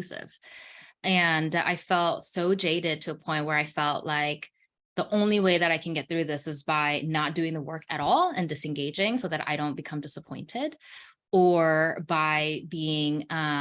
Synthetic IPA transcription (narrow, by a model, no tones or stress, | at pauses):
sɪ̰v̥ | ɨ̃na̰ɪfɛlˠtsoʊd͡ʒeɪɾɪd̚tʰɨːpʰɔ̃ɪ̃nʔ̚wə˞aɪfɛlˠʔlaɪk | ðiʔõʊ̃nliweɪðɨɾaɪkʰɨ̃n̩ɡɛt̪̚θɹʉðɪsɨzbaɪnət̚d̥ʉɪ̃ŋðəwɜ˞kɨ̰ɾɔlˠɨ̃ndɨsɨ̃nɡeɪd͡ʒɪ̃ŋsoʊðɨɾʔa̰ɪɾõʊ̃nb̥ɨkʰʌ̃mdɪsəpʰɔ̃ɪ̃ntʰɪd | ə˞baɪbiɪ̃ŋʌ